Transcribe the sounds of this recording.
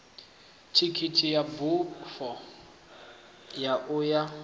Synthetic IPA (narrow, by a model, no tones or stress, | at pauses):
tʰikʰitʰʼijabufɔ | jaʔʊja